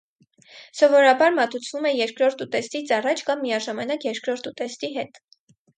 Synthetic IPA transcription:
sɔvɔɾɑbɑɾmɑt̪ut͡sʰvumɛjɛɾkʰɾɔɾt̪ut̪ɛst̪it͡sɑrɑt͡ʃʰkɑmːijɑʒɑmɑnɑkjɛɾkʰɾɔɾt̪ut̪ɛst̪iɦɛt̪

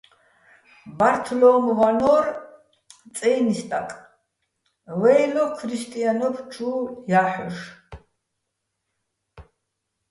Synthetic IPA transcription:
baɾt̪ʰɔlɔmvanɔɾ | t͡sʼɛjnist̪ʼakʼ | lɛjlɔkʰɾist̪ʼianɔpʰt͡ʃʰuːjaħɔʃ

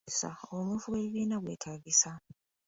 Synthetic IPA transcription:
sa̰omufuweβiβiːnaɣweːtʰaɣisa

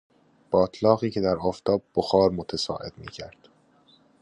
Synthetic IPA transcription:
b̥ɒːt̪ʰlɒːɣiːcʰe̞d̪æɾɒːft̪ʰɒːb̚ːoxɒːɾmot̪ʰesɒ̰ːʔe̞̰d̪̥mḭːcʰæɾd̪̥

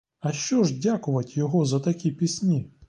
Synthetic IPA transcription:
ɐʃt͡ʃɔʐdʲakʊʋɐtʲjɔɦɔzɐt̪ɐkʲipʲisʲnʲi

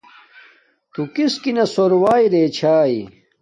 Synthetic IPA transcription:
t̪ukiskinɐsoɾwaːjɾeːt͡ɕʰaːi

